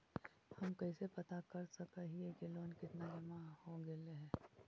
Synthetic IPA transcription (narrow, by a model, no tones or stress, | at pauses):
hɐmkɐɪsepɐt̪akɐɾsɐkaɦiekɪloːnkɪt̪nad͡ʒɐmahoɡeleɦɛː